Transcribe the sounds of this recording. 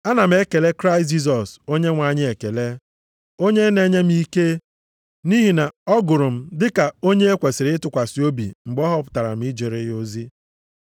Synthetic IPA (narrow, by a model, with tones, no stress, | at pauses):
a˦na˨m̩˦e˦ke˨le˦kɾa˦ɪ˨st̬̚d͡ʒi˦s̬ɔ˨so˦ɲe˦ŋʷa˨ɲɪ˦e˨ke˨le˦ | o˦ɲe˦ne˦ɲe˦m̩˦i˦ke˦ | ni˦ɦi˨na˨ɔ˦ɡʊ˨ɾʊ˨m̩˦dɪ˦ka˨o˦ɲe˦e˦kʷe˨sɪ˨ɾɪ˦ɪ˦tʊ˨kʷa˨si˨o˦bḭ˨ŋ͡m̩˨ɡ͡bɔ˦ɦɔ˦pʊ̥˨ta˨ɾa̰˨m̩˦ɪ˦d͡ʒe˨ɾɪ˦o˦zi˦